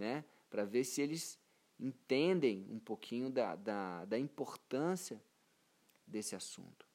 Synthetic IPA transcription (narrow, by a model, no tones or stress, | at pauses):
nɛ | pɾɐveɾsɪelɪz | ẽt̪ẽnd̪ẽj̃ṵ̃pokʰĩɲʊd̪ɐ̰d̪ɐd̪ɐĩpoɾt̪ɐ̃siɐ | d̪esɪasṵ̃nt̪ʊ̥